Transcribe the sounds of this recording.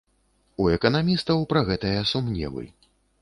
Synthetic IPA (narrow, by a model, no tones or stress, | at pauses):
uɛkɐnamʲist̪ɐwpɾɐɣɛt̪ɐjɐsumnʲɛ̰vɨ̰